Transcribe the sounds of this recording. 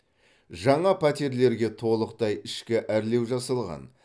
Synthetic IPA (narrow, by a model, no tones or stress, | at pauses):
ʒɑɴɑpʰæt̪ʲeɾle̞ɾɡʲe̞t̪ʰo̞lˠəq̚t̪ɑjɪʃkʲɪʔæɾle̞wʒɑsɑlˠʁɑ̰n